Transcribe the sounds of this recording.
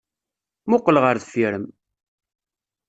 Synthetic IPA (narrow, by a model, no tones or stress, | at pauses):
mʊqːəlʁəɾðfiɾəm